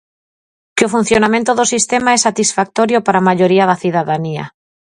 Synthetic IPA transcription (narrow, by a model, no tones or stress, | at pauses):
kɪofun̟θjonamẽnt̪ʊðosist̪emaɛsat̪isfak̚t̪oɾjopaɾamaʎoɾiaðaθiðaðania̰